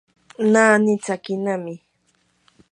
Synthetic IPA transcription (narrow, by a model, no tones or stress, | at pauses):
naːnɪt͡sakɪnamɪ